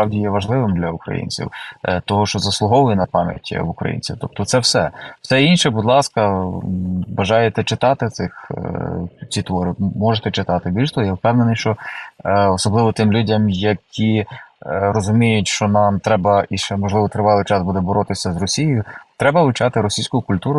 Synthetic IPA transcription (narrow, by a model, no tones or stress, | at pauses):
spɾɑwdʲijɛʋɐʒlˠɪʋɪmd̪lʲɐukɾɐ̰jḭnʲt͡sʲḭwt̪ɔɦɔʃt͡ʃɔzɐslˠʊɦɔʋʊjinɐpɑmʲjɐ̰tʲḭʋʊkɾɐ̰jḭnʲt͡sʲḭt̪ɔp̚t̪ɔt̪sɛwsɛwsɛinʃɛbud̪lˠɑskɐ | bɐʒɑjet̪ɛt͡ʃɪt̪ɑt̪ɪt̪sɪx | t͡sʲit̪ʋɔɾɪmɔʒet̪ɛt͡ʃɪt̪ɑt̪ɪbʲilʲst̪ʋɔjɛwpɛwnenɪjʃt͡ʃɔ | ɔsɔblˠɪʋɔt̪ɪmlʲudʲɐmjɐkʲi | rɔzʊmʲijʊtʲʃt͡ʃɔnɑmt̪ɾɛbɐiʃɛmɔʒlˠɪʋɔt̪ɾɪʋɑlˠɪjt͡ʃɑzbud̪ɛbɔɾɔt̪ɪsʲɐzrɔsʲijɪjʊt̪ɾɛbɐʋʊt͡ʃɑt̪ɪɾɔsʲijsʲkʊjʊkʊlʲt̪uɾʊ